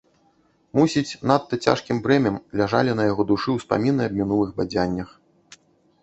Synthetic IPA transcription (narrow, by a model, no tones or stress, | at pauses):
musʲit͡sʲnat̪ːɐt͡sʲa̰ʂkʲimbɾɛmʲɐmlʲaʐa̰lʲinɐjaɣɔd̪uʂɨwspa̰mʲinɨɐb̚ʲmʲinulˠɨɣbad͡zʲanʲːɐx